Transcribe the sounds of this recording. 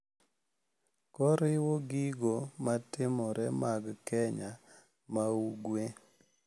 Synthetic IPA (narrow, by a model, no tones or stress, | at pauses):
kɔɾɪwoɡiɡomatɪmɔɾɛmaɡkɛɲa | mauɡwe